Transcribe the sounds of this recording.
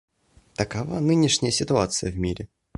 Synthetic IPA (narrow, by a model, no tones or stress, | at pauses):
t̪əkava̰nɨnʲɪʂnʲɪjəsʲɪt̪ʊat̪sɨjəvmʲiɾʲɪ